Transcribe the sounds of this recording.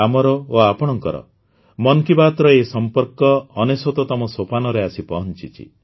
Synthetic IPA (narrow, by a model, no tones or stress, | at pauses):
amɔɾɔoapɔɽ̃ɔŋkɔɾɔ̰ | mɔnkibat̪ɾɔesɔmpɔɾkɔːnesot̪ɔt̪ɔmɔsopʰanɔɾeasipɔɦɔnt͡ʃḭt͡ʃʰḭ